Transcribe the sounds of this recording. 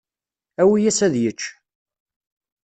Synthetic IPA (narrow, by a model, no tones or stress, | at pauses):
æwijæsæðjət͡ʃː